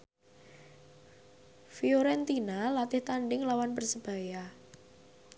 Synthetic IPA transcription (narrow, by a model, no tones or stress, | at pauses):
fioɾɛnt̪inalat̪ɪht̪aɳɖɪŋlawanpərsəb̥a̤ja